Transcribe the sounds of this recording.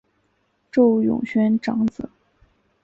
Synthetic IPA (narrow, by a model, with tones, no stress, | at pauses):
ʈ͡ʂo˥˩ʊjʊ̰˨˩ŋɕɥɛ˧˥nʈ͡ʂɑ˧˥ŋt͡sɹ̩˨˩˦